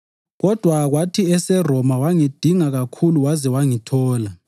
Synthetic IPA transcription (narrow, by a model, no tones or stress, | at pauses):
ɣɔd̥ʱwaɣwatʰiɛsɛrɔmawaŋid̥ʱiŋaɣakʰuluwazɛwaŋitʰɔːla